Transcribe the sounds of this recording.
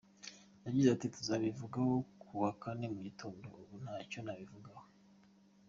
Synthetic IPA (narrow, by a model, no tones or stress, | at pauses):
jaɟizatituzaβivuɡaho̞kuβakanemuɟito̞ːndo̞̰uβun̥haco̞naβivuɡaho